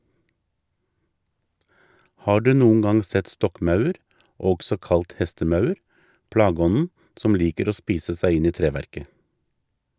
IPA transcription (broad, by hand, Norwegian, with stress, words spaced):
ˈhɑː ˈɖʉː ˈnuːŋ̍ ˈɡɑŋ ˈsɛt ˈstɔkˌmɑʉəɾ ˈɔɡsɔ ˈkɑlt ˈhɛstəˌmɑʉəɾ ˈpɽɑːˌɡɔnn̩ ˈsɔm ˈliːkəɾ ˈoː ˈspiːsə ˈsæɪ ˈɪn ˈiː ˈtɾeːˌʋæɾkə